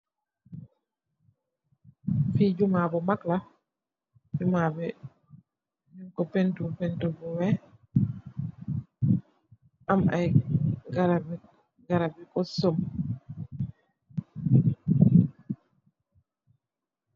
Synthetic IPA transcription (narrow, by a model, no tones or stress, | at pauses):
fid͡ʒumabɔmakla | fumabɛ | miŋkɔpɛntupɛntubɔwɛ | ʔama̰jɡaɾab | ɡaɾabɛkɔsɔm